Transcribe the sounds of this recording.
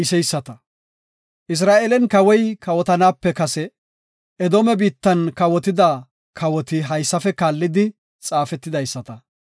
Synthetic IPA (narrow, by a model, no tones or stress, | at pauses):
ɪsɛjsːɐt̪ɐ | ʔɪs̬ɾaːʔeːlɛnkɐwɔjkɐwɔt̪ɐnaːpːɛkɐsɛ | ɛd̪oːmɛbiːt̪ːɐnkɐwɔt̪ɪd̪ɐ | kʰɐwɔt̪ɪɦɐjsːɐfɛkaːlːɪd̪ɪ | t͡sʼaːfɛt̪ːɪd̪ɐjsːɐt̪ɐ